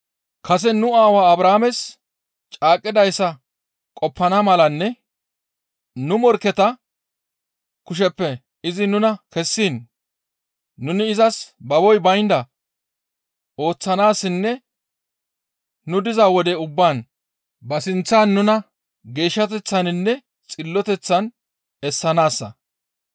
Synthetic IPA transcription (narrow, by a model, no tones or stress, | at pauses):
kʰɐs̬ɛnʊaːwaːɐbɾaːmɛs | t͡ʃʼaːkʼːɪd̪ɐjsːɐ | kʼɔpːɐnɐmɐlɐnːɛ | nʊmɔɾkːɛt̪ɐ | kʊʃ̬ɛpːɛ | ɪzɪnʊnɐkɛsːiːn | ʊnɪɪzɐsbɐbɔjbɐjnd̪ɐ | o̞ːt͡sːɐnaːsːɪnːɛ | nʊd̪ɪzɐwɔd̪ɛʊbːaːn | bɐsɪnt͡sːaːnːʊnɐ | ɡe̞ːʃːɐt̪̬ɛt͡sːɐnɪnːɛ | t͡sʼɪlːɔt̪ɛt͡sːɐn | ɛsːɐnaːsːɐ̰